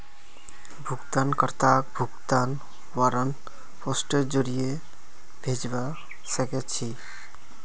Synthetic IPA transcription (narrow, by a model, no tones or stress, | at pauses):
bʱuɡt̪ankəɾt̪ak̚bʱuɡt̪an | waɾən | pɔsʈeɾd͡ʒoɾije | bʱed͡ʒba | səkɛt͡ʃʰi